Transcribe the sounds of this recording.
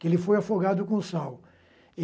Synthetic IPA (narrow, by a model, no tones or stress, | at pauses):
kɪelɪfojafoɡad̪ʊkõʊsaw | e